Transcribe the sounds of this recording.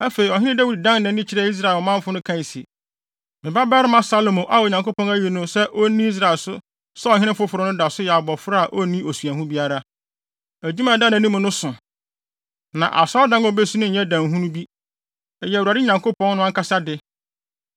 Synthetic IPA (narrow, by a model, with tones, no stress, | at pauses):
æ˦fe˨ɾi˨ɔ˨ɦɪ̃˦nɪ̃˦dæ˦wi˨ddã˦ŋnɛ̃˨˦nɪ̃˦t͡ɕʰɪ˦ɾɛ˦i˦s̬ɾa˦˨lmã˦m˦fʊ˦nʊ̃˦kʰã˦˨n˨sḭ˨ | mɪ̃˨ba˦bɛː˦ɾɪ˦mã˦sa˦lo˨mõ˨ʔa˦wɔ˨ɲã˨ŋko˦pɔ̃˦næ˦ji˨nʊ̃˦sɛ˦ʔo˦nĩ˦i˦s̬ɾa˨lsʊ˦ | sɛ˦ɔ˨ɦɪ˦nɪ̃˦fʊ˦fʊ˨ɾʊ˦nʊ̃˦da˨sʊ˦jɛ˨a˨bɔ˨fɾa˦a˨ʔo˦nĩ˦o˨su˨æ˨ɦũ˦bi˦a˦ɾa˦ | æ˨d͡ʑu˦mã˨dã˦nã˨nĩ˦mʊ̃˨nʊ̃˦sʊ̃˨ | nã̰˨ʔa̰˨sa˦dã˦ŋ˦ɔ˦be˦su˦nɪ̃˦ɲ̩˨ɲɛ̃˦dã˨ŋ˨ɦũ˦nũ˦bi˦ | ɛ˨jɛ˨u˨a˨dɪ˦ɲã˨ŋko˦pʰɔ̃˦nnʊ̃˦ã˦ŋka˦sa˦dɪ˦